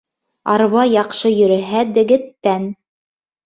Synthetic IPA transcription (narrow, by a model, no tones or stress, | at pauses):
ɑɾβɑjɑqʃɤjɵ̆ɾɘ̆ɦæd̪ɘ̆ɡɘ̆t̪ːæn